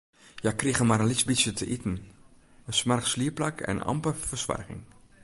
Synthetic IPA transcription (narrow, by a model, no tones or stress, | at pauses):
jakriɣəmaɾənlɪsbisjətʰəʔitn̩ | əsmarxsliəplakʰɛ̰n̰nɑ̰mpəfəsʋa̰rɣɪ̰ŋ